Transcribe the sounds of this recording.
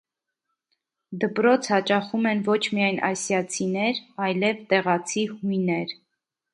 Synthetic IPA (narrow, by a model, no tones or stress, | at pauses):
d̪əpɾɔt͡sʰhɑt͡ʃɑχumɛnvɔt͡ʃʰmijɑjnʔɑ̰sjɑt͡sʰinɛɾɑjlɛvt̪ɛʁɑt͡sʰihujnɛɾ